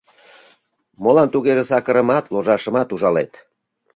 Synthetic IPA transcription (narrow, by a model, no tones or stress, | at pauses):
molɑnt̪uɣeʒesɑkə̆ɾə̆mɑt̪loʒɑʃə̆mɑt̪uʒɑlet̪